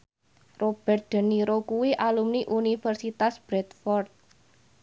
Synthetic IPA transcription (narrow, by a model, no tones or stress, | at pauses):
rob̥ɛ̤rt̪̚d̪̥ə̤niɾokuwiʔalumniʔunifɛrsit̪asb̥ɾɛt̪fɔrt̪̚